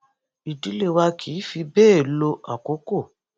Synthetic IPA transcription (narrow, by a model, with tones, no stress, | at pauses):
i˨di˨˦le˦˨wa˧kʰi˨˦fi˧bɛː˦˨lo˧ʔa̰˨ko˨˦ko˦˨